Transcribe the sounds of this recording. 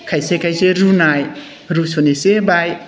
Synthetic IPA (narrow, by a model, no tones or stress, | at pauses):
kʰajsekʰajseɾunaj | ɾusonesebaj